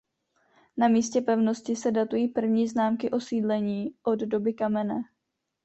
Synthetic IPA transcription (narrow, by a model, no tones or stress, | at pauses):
namiːscɛpɛvno̞scɪsɛdat̪ujiːpr̩vɲiːznaːmkɪʔo̞siːdlɛɲiːʔo̞ddo̞bɪkamɛnɛː